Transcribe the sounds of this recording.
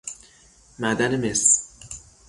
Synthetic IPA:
mæd̪ænemes

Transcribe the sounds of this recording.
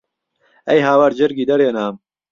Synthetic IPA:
ɛjɦaːwaɾd͡ʒɪɾɡiːd̪ɐɾeːnaːm

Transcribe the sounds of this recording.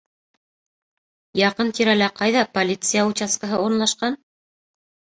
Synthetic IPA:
jɑqɤnt̪iɾælæqɑjðɑpolʲit̪sɨjaut͡ɕaskaɦɤuɾɤ̆nlˠɑʃqɑn

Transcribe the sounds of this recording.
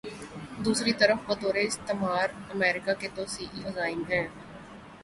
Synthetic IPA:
d̪uːsɾit̪əɾəfbət̪oːɾeɪst̪emaːɾəmɛːɾɪkaket̪oːsiːʔiəzaːɪmɦɛ̃ː

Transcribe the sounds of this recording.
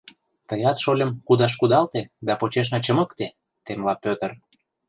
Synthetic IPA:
t̪əjɑt̪ʃolʲə̆mkud̪ɑʃ̬kud̪ɑlt̪ed̪ɑpot͡ɕeʃ̬nɑt͡ɕə̆məkt̪e | t̪emlɑpʲøt̪ə̆r

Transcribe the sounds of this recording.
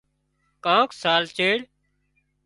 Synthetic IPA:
kãːksaːlt͡ʃeːɽ

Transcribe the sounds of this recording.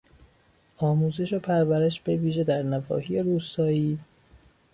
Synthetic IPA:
ɒːmuːze̞ʃopʰæɾvæɾe̞ʃb̥e̞viːʒe̞d̪æɾnævɒ̰ːhije̞ɾuːst̪ɒːiː

